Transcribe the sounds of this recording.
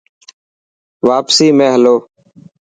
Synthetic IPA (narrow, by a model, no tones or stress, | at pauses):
ʋaːpsiːmẽːɦəloː